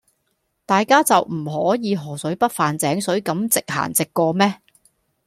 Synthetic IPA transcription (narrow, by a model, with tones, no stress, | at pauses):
t̪aː˨jkaː˥t͡sɐ˨wm̩˨˩ɦɔː˨˥jiː˨˧ɦɔː˨˩sɵ˨˥ɥpɐ˥t̚faː˨nt͡sɛː˨˥ŋsɵ˨˥ɥkɐ˨˥mt͡sɪ˨k̚ha̰ː˨˩nt͡sɪ˨kːɔː˧mɛː˥